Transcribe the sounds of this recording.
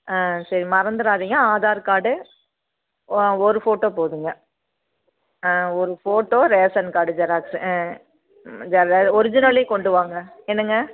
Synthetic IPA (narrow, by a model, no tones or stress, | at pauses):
aːsɐɾimɐɾɐnd̪ɯɾaːðiːŋɡɐaːðaːɾkaːɽɯ | ɔɾɯfoːʈːoːpoːðɯŋɡɐ | ɔɾɯfoːʈːoːɾeːsɐnkaːɽɯd͡ʒɐɾaːksɯ | d͡ʒɐɾɔɾɪd͡ʒɪnɐleːkɔɳɖɯʋaːŋɡɐ | ɛnːɯŋɡɐ